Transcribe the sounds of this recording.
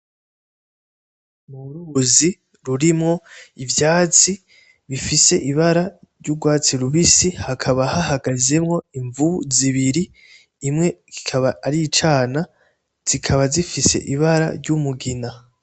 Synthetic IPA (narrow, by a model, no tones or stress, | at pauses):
muɾuzi | ɾuɾimŋo̞ivjaːt͡si | βifise̞ʔiβaɾaɾɟuɡwaːt͡siɾuβisihakʰaβahahaɡaze̞mŋo̞iɱvuziβiɾiː | mŋe̞ɡikʰaβaːɾit͡ʃaːna | z̥ikʰaβazifise̞̰ʔiβaɾa̰ɾɟumuɡina